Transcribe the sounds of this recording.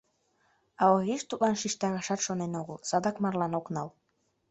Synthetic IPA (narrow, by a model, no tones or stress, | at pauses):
ɑoɣiʃt̪ut̪lɑnʃiʃt̪ɑɣɑʃɑt̪ʃonenoɣəlsɑd̪ɑkmɑrlɑnoknɑl